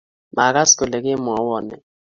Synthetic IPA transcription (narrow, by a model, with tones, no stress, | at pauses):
ma˨ka˦sko˨lɛ˨kɪ˦m˨ɔ˨˦wɔ˨nɛ̰˨